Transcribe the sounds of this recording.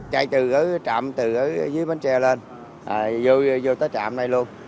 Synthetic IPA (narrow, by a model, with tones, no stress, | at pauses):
t͡ɕa˧jt̪ɨ˨˩kə˨˦t͡ɕa̰˧˨mt̪ɨ˨˩ʔəː˨˦˧zɨ˨˦əjma˨˦nt͡ɕɛ˧le˧n | ʔaː˨˩zo˧jzo˧jt̪əː˨˦jt͡ɕa̰ː˧˨mna˧jlu˧ən